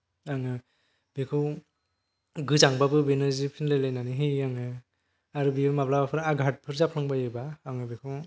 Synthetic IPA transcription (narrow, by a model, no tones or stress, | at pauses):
aŋɯ | bekʰɯw | ɡɯzaŋbabɯbenɯzipʰinlajlajnaniɦɯjaŋɯ | aɾɯbimaplabapʰɯɾaɡʱat̚pʰɯɾzapʰɯŋbajɯbaːŋɯbikʰɯw